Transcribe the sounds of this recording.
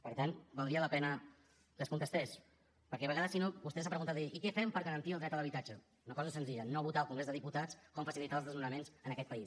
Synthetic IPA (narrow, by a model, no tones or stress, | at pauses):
pəɾt̪anbalˠdɾiələpɛnə | kəskunt̪əst̪ɛs | pəɾkɛβəɣaðəsinobust̪ɛs̬apɾəɣunt̪at̪eʔikɛfɛmpəɾɣəɾənt̪iəlˠd̪ɾɛkt̪əðəəβit̪ad͡ʒə | unəkɔzəsənziʎənoβut̪alˠkuŋɡɾezðəðiput̪at͡skɔmfəsilit̪aəlˠzðəzmunəmenzənəkɛt̪pəi